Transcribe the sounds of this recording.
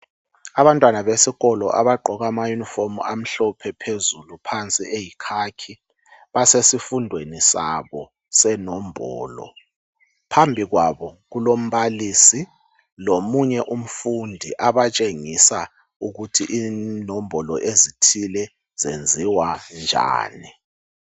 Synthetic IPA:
aβantʼwanaβesiɣɔlɔʔaβaǃʱɔɣamajunifomuam̩ɬɔpʰɛpʰezulupʰant͡sʼiejikʰakʰi | βasesifundʱwenisa̰βɔ | sɛnɔmbʱɔ̰ːlɔ̰ | pʰambʱiɣwaβɔɣulom̩βaliːsi | lomuɲɛʔum̩fundʱiʔaβat͡ʃʼeŋisa | uɣutʰiʔinɔmbʱɔlɔʔezitʰilɛ | z̥end͡zʱiwand͡ʒʱa̰ːni

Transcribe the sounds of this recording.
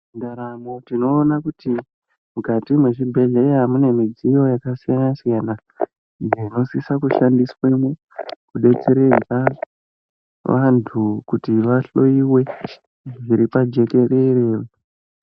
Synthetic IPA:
ndaɾamotino̞ːnakuti | mukatimwe̞ʐibʱe̞ɮe̞jamune̞mid͡zijo̞jakasijanasijana | ijeino̞sisakuʃandiswe̞mu | kuɗe̞t͡se̞ɾe̞d͡za | ʋantʰukutiʋaɬo̞iwe̞ | ʐiɾipad͡ʒe̞ke̞re̞reːʋo

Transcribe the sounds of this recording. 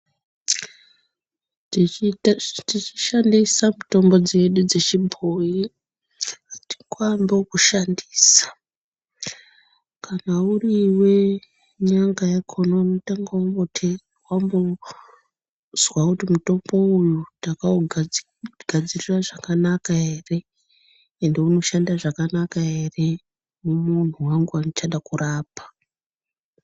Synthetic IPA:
tit͡ʃi̥ʃandisamuto̞mbo̞d͡zeɗud͡ze̞t͡ʃibʱoji | ti̥kwambekuʃandiːsḁ | kʰanauriwe̞ | ɲaŋɡajakʰo̞no̞mitaŋɡaombo̞tʰe | wambo̞ | z̥wakutimuto̞mbo̞ujutaka | ɡʱad͡ziriraʐakanakaɦe̞ːre̞ | ende̞uno̞ʃandaʐakanakaɦe̞re̞ | mumun̤uwaŋɡuanot͡ʃaɗakuraːpḁ

